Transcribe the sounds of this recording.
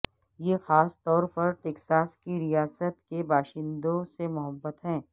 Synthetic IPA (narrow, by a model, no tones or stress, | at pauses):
jexaːst̪ɔːɾpɐɾʈeːksaːskiɾijaːsət̪kebaːʃɪ̃nd̪õsemʊɦəbːət̪ɦɛ̃ː